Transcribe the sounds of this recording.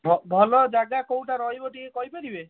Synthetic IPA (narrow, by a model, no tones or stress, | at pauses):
bʱɔbʱɔlɔd͡ʒaɡakow̃ʈaɾɔɦjboʈiekɔjpeɾibe